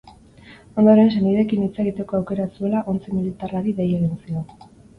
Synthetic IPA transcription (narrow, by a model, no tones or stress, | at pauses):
o̞nd̪o̞ɾe̞ns̬eniðe̞kinit͡se̞ɣit̪e̞ko̞awke̞ɾasue̞laʔo̞nt͡similit̪araɾiðe̞je̞ɣ̞insio̞n